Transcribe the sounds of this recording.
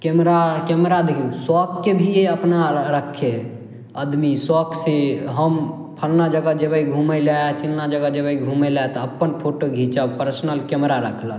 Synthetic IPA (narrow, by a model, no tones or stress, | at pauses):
kɛmɾakɛmɾad̪ekʰĩsɔkːebʱieəpnaɾəkʰːe | əd̪misɔksiɦəm | pʰəlnad͡ʒəɡəd͡ʒebəiɡʱuməlat͡ʃilnad͡ʒəɡəd͡ʒəbəiɡʱuməlat̪ɔəpːənpʰoʈoɡʱit͡ʃəpəɾsnəlkɛmɾaɾəkʰlə